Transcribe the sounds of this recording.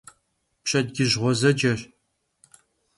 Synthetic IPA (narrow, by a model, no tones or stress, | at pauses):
pɕʼɐd̚ɡʲɪʑʁʷɔzɐd͡ʒɐr